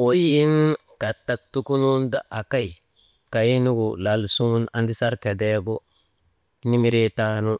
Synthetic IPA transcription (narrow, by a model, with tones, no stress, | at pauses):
wo˦ji˦n | ka˨tːa˦k̚tu˦ku˦nu˦nda˦ʔa˨ka˦j | ka˨ji˦nu˦ɡu˨la˨lsu˦mu˦na˨ndi˦sa˦ɾke˨de˦ɡo˦ | ni˦mi˦ɾe˦ta˦nu˦